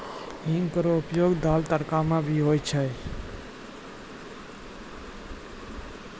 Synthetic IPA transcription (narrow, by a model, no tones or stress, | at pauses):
ɦiŋɡkəɾoupjoɡd̪alt̪əɾkamãbʱiɦojt͡ʃʰə